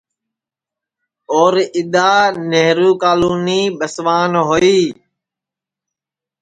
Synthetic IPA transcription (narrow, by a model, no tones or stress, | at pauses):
ɔːɾɪɗ̪aːneɦɾuːkaːluːniːɓəsʋaːnɦoːiː